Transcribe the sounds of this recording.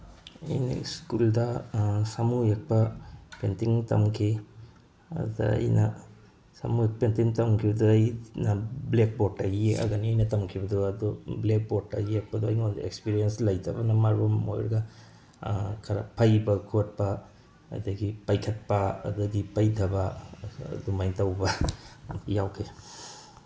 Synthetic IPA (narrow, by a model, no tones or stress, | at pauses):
ɐ̰jnḭskuldɐsamujek̚pɐpentiŋtɐ̰mkʰi | ɐ̰ddɐ̰ɐ̰jnɐ̰ | sɐ̰mujek̚pentiŋtɐmkʰibɐduɐjnɐblek̚bɔtajieɐ̰ɡɐniɐjnɐtɐmkʰibɐduɐd̪ɔblek̚botːa̰jek̚pɐduɐjŋondḛkspiɾijenslɐjdʰɐbɐnɐmaɾomo̰j̰ɾɡɐ | kʰɐɾa̰pʰɐjbɐkʰut̚pɐ̰ː | jdɐɡipajkʰɐt̚pɐɐ̰dɐɡipajdɐbɐ̰ | dumajŋtɐwbɐ | jawkʰe